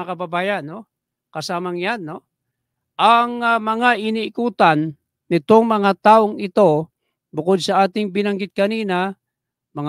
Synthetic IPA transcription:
akɐbɐbaːjɐnːo̞ | kɐsaːmɐŋjanːo̞ | ʔɐŋmɐŋaʔɪniɪkuːt̪anː | ɪt̪o̞ŋmɐŋat̪aːʔoŋɪt̪o̞ | bʊko̞d̪̚sɐʔaːt̪ɪŋbɪnɐŋɡɪt̪̚kɐniːna | mɐŋ

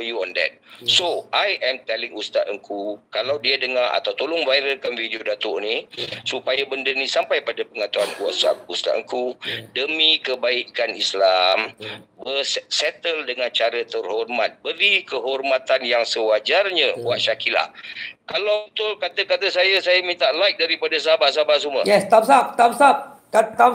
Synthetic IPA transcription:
juɔndɛ̰t̪̚soʔajɛmt̪ɛlɪŋust̪at̪əŋkʰukalawdiadəŋaa̰t̪awt̪olʊŋvajɾəlkanvideodat̪ʊʔnisupajabəndənĩsampajpadapəŋat̪uankua̰sa̰ust̪a̰ʔ̪əŋkudəmĩkəbaikanislambərssɛt̪əldəŋant͡ʃaɾət̪ərhɔrmat̪̚bəɾikəɦɔrmat̪anjaŋsəwad͡ʒarɲə̃waʔ̪ʃakila̰kalat̪ʊlkat̪əkat̪əsajasajamint̪aʔlajk̚daɾipadasaɦabas̬abasuməjɛst̪ap̚sap̚t̪ap̚sap̚kat̪ap

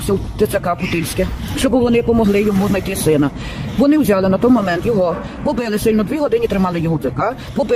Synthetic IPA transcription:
sʲɐwt̪ɪt̪sɐkɑpʊt̪ilʲsʲkɪʃt͡ʃɔbɪʋɔnɪpɔmɔɦlˠɪjɔmuznɐjt̪ɪsɪnɐ | ʋɔnɪwzʲɑlˠɪnɐt̪ɔjmɔmɛnt̪jɔɦɔ | pɔbɪlˠɪsɪlʲnɔd̪ʲʋʲiɦɔd̪ɪnʲit̪ɾɪmɑlˠɪjɔɦɔt͡s̪ɪkɑ | pɔbɪ

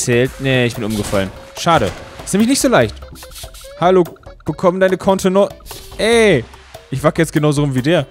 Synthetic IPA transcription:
t͡sɛːltnəɪçb̥ɪnʔʊmɡəfa̰lənʃaːɾə̰stnɛːmɪçnɪçtz̥oːlaɪçt | haloːb̥əkʰɔməndaɪnəkʰɔntʰənɔʔɛ | ʔɪçv̥akəjɛt͡stɡ̥ənaʊzoʁʊmviːdeːɐ

